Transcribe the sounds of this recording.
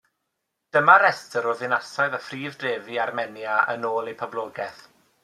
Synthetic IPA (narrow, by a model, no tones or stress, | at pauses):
d̥əmaɾɛstəɾɔðɪnasaɨðafriːvdreːviarmɛnjaə̰noːlˠejpʰɔblˠɔːɡɛθ